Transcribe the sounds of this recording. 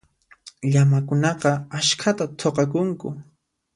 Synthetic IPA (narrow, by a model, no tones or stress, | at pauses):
ʎamakʊnɑqɑaʃkʰat̪at̪ʰoqɑkʊŋkʊ̰